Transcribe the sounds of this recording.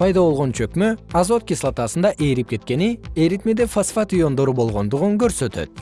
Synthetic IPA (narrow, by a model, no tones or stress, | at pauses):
pʰɑjd̪ɑβo̞lˠʁo̞nt͡ʃøkmøɑzo̞t̪̚kʲislˠat̪ɑsənd̪ɑʔe̞ɾip̚kʲe̞t̪kʲe̞nieɾit̪med̪efosfat̪ijo̞nd̪o̞ɾubo̞lˠʁo̞nd̪uʁuŋkøɾsø̞t̪ø̰t̪̚